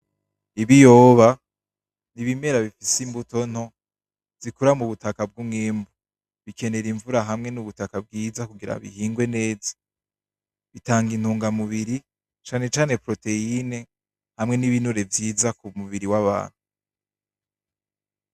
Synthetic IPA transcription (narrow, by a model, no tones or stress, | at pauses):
iβijo̞ːβa | niβime̞ɾaβifisimbuto̞n̥ho̞ | zikuɾamuβutakab̚ɡumŋiːmbu | βikʰe̞ne̞ɾiɱvuɾaɦamŋe̞nuβutakabɡiːzakuɡiɾa̰βḭhiːŋɡwe̞ne̞ːzḁ | βitaːŋɡin̥huːŋɡamuβiɾi | t͡ʃaːne̞t͡ʃaːne̞pɾo̞te̞ine̞ | hamŋe̞niβinuɾe̞vjiːzakumuβiɾiwaβa̰ːn̥hu